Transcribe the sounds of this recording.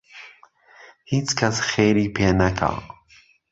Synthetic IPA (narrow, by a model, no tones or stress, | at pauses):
hit͡skʰasxeɾipeanakʰa̰